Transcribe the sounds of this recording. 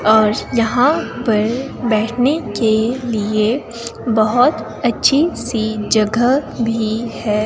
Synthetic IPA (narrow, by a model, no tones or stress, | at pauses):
ɔːɾjɐɦãpɐɾ | bɛːʈʰnekelie | bɐɦʊt̪ | ɐtːʃʰisid͡ʒɐɡəbʱihɛː